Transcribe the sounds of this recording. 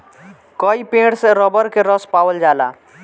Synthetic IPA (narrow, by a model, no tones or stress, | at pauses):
kɔipẽːʈseɾɔbəɾkeɾɔspaːwəld͡ʒaːla̰ː